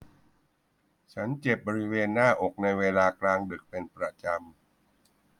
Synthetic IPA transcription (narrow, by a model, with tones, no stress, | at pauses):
t͡ɕʰa˦˥nt͡ɕe˨˩p̚bɔː˧ɾi˦˥weː˧nːaː˥˩ʔo˨˩k̚na˧jweː˧laː˧klaː˧ŋdɯ˨˩k̚pe˧npɾa˧t͡ɕa˧m